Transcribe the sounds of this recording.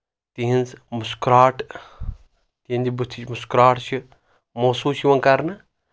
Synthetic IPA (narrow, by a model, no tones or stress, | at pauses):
t̪iɦinzmuskɾaːʈ | t̪iind̪ibut̪ʰːit͡ʃʰmuskɾaːʈʰt͡ʃʰi | moːsuːt͡ʃʰiʋɐŋkaɾnɨ